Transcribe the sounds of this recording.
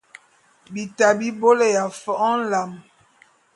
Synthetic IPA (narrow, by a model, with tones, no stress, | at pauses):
bi˨ta˨bi˦bo˦le˨ja˨fɔ˦ʔɔ˦n̩˦la˨m